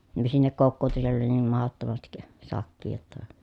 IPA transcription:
ni sinːek kokːoːtu sielː oli niːm mɑhotːomɑstik sɑkˑiː jotːɑ

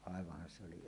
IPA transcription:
ɑˑeʋɑhˑɑn se oli

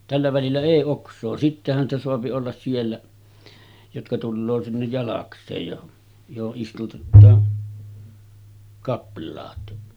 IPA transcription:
tælːæ ʋælilːæ eˑi oksˑoː sitːehæn stæ soɑpi olːɑs sielːæ jotkɑ tulːoː sinːej jɑlɑksˑeːj jo johoʔ ʔistutetːɑː kɑplˑɑːt

